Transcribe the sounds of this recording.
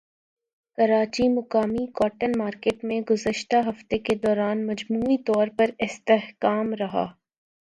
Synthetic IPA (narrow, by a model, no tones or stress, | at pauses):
kɐɾaːt͡ʃimʊkaːmikɔːʈənmaːɾkeːʈmẽɡʊzəʃt̪aɦɐft̪eked̪ɔːɾaːnmɐd͡ʒmuːit̪ɔːɾpɐɾɪst̪eɦkaːmɾɐɦa̰ː